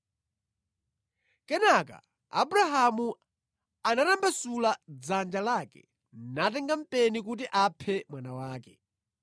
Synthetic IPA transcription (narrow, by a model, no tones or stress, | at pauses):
kɛnaka̰ː | buɾaɦamu | anatambasulad͡zand͡ʒalaːkɛ̰ | natɛŋɡam̩pɛnikut̬iʔapʰɛmwanawaːkɛ̥